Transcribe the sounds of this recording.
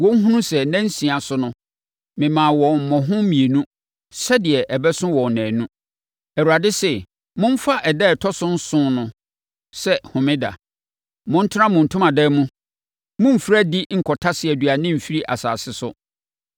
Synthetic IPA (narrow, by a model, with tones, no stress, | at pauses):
wɔ̃˦ŋ̩˦ɦũ˦nũ˦sɛ˨nɛ̃˦n̩˦sĩ˨a˨sʊ˦nʊ̃˦ | mɪ̃˨mãː˨wɔ̃˨m̩˨mɔ̃˨ɦʊ̃˦mĩ˨e˨nũ˦ | sɛ˦dɪ˨ɛ˨ʔɛ˨bɛ˦sʊ̃˦wɔ̃˨nɛ̃ː˨nũ˦ | æ˨u˨ɾa˨dɪ˦sɛ˦˨ | mʊ̃˦m̩˦fa˦ʔɛ˨dɛ˦ɛ˨tʰɔ˦sʊ̃˦n̩˦sʊ̃˦nʊ̃˨ | sɛ˦hʊ̃˨mɪ̃˦da̰˨ | mʊ̃˦n̩˦tʰɪ˦ã˦mʊ̃˨n̩˨tʰʊ̃˦mã˨dɛ˦mũ˦ | mʊ̃˦m̩˨fɾæ˦di˦ŋ̩˨kʰɔ˨tʰa˦sɪ˨˦æ˨dɥa˨nɪ̃˦m̩˨fi˦ɾi˦ʔa̰˨sa̰ː˨sɪ˦sʊ̰˦